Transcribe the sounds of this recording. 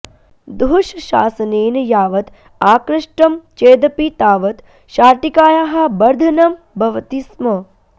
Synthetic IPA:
d̪uʃɐʃa̰ːsɐneːnɐjaːʋɐt̪ | aːkɾɐʂʈɐmt͡ʃeːd̪ɐpit̪aːʋɐt̪ | ʃaːʈikaːjaːɦɐ̆bɐɾd̪ʱɐnɐm | bʱɐʋɐt̪ismɐ

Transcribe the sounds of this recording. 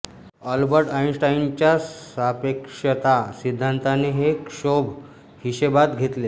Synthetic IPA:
əlbəɾʈainsʈaint͡ɕjasapekʂət̪asid̪ʱːant̪aneɦekɕob | hiɕebat̪ɡʱet̪le

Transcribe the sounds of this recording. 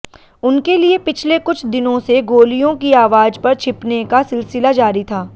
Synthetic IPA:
ʊnkeliepɪt͡ʃʰlekʊt͡ʃʰd̪ɪnõseɡoːlijõkiaːʋaːd͡ʒpɐɾt͡ʃʰɪpnekasɪlsɪlad͡ʒaːɾit̪ʰaː

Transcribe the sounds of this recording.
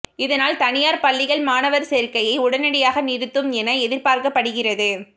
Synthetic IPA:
ɪðɐnaːlt̪ɐnɪjaːɾpɐɭːɪɣɐɭmaːnɐʋɐɾsɛɾkɐjɐɪʊɽɐnɐɽɪjaːɣɐnɪɾɯt̪ːɯmɛnɐɛðɪɾpaːɾkɐpːɐɽɯɣɪrɐðɯ

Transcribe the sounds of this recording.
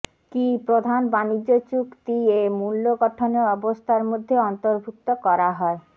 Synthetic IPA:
kipɾod̪ʱanbanid͡ʑːot͡ɕukt̪iemulːoɡɔʈʰoneɔbost̪ʰaɾmod̪ʱːeɔnt̪oɾbʱuk̚t̪okɔɾaɦɔe

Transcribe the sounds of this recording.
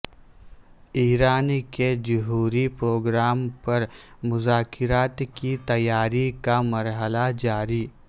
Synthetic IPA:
iːɾaːnked͡ʒʊɦuːɾipɾoːɡɾaːmpɐɾmʊzaːkɪɾaːt̪kit̪ɐjaːɾikamɐɾɦəlad͡ʒaːɾiː

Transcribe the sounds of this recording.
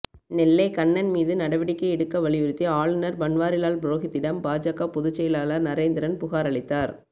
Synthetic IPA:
nɛlːɐɪkɐɳːɐnmiːðɯnɐɽɐʋɪɽɪkːɐɛɽɯkːɐʋɐɭɪjɯɾɯt̪ːiaːɭɯnɐɾbɐɳʋaːɾɪlaːlbɾoːɣɪt̪ːɪɽɐmbaːd͡ʒakːapʊðʊt͡ʃːɐjɪlaːlɐnɐɾeːnd̪ɪɾɐnpʊɣaːɾɐɭɪt̪ːaːɾ

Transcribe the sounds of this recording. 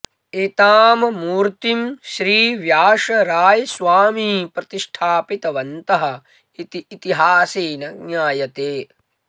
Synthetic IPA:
eːt̪aːmɐmuːɾt̪imʃɾiːʋjaːʂɐɾaːjɐsʋaːmiːpɾɐt̪iʂʈʰaːpit̪ɐʋɐnt̪ɐɦɐ | it̪iːt̪iɦaːseːnɐɡnjaːjɐt̪eː

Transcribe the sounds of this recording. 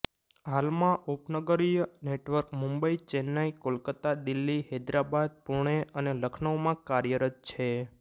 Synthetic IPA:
ɦalmãʔupnəɡəɾijəneʈʋəɾkmũmbəit͡ʃɛnaikolkət̪ad̪ɪlːihɛd̪ɾabad̪̚puɳ̃eʔəneləkʰnəʋomãkaɾjəɾət̪̚t͡ʃʰe

